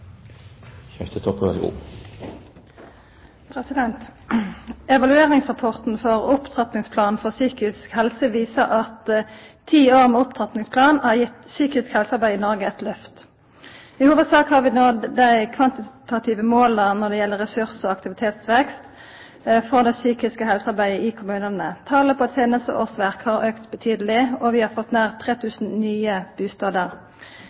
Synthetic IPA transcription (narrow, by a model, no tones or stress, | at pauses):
çœst̪ət̪ʰɔpːʋæɾʂɡṵː | pʰʁɛsɪd̪ɛnt̪ | ɛʋɑlʉeːʁɪŋsʁɑpʰɔʁt̪n̩fɔʁʊpt̪ʰʁɑt̪nɪŋspʰlɑːnn̩fɔʁsyːkɪskhɛlsəʋiːsəʁɑt̪ʰ | iːoːʁmeːʊpt̪ʰʁɑt̪nɪŋspʰlɑːnhɑːjɪt̪syːkɪskhɛlsɑʁbæɪɪnɔʁɡəɛt̪lœft̪ | ɪhuːʋəd̪sɑːkhɑːʁʋɪnoːd̪æɪkʰʋɑnt̪ɪt̪ɑt̪ʰɪːʋəmoːlənɔʁd̪ɛjɛlːəʁɛsʉʁsɔɑkt̪ɪʋɪt̪ʰeːt̪sʋɛkst̪ | fɔd̪ɛsyːkɪskəhɛlsəɑʁbæɪəʔɪkʰʊmʉːnənət̪ʰɑːləpʰɔɛt̪seːnəst̪ə̰ʔo̰ːsʋæʁkhɑʁøːkt̪bət̪ʰyːd̪əlɪɔʋɪhɑːɾfɔt̪neːʁt̪ʰʁeːt̪ʰʉːsn̩nyːəb̥ʉːst̪ɑːd̪əʁ